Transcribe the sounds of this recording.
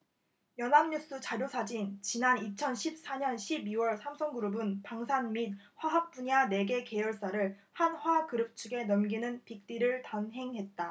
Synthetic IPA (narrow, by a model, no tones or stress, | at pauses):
jʌnɦamɲus͈ut͡ɕaɾjosʰad͡ʑint͡ɕinanit͡ɕʰʌnɕʰip̚s͈aɲʌnɕʰibiwʌɭsʰamsʰʌŋɡuɾubɯnpaŋsʰanmit̚ | ɸwaɦak̚p͈uɲane̞ɡe̞ke̞jʌɭs͈aɾɯɭhanhwakɯɾɯp̚t͡ɕʰuɡe̞nʌmɡinɯnpik̚t͈iɾɯɭtanɦe̞ŋɦe̞t̚t͈a